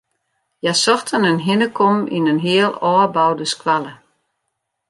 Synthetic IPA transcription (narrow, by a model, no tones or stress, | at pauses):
jasɔxtʰənənɦɪnəkʰɔmḭnənɦiəlˠɔːbawdəskwalə